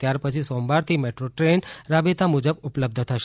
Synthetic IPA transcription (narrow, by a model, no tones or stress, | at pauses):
t̪jaɾpət͡ʃʰisɔmbaɾt̪ʰimeʈɾoʈɾenɾabet̪amud͡ʒəbupləb̚d̪ʱət̪ʰəʃ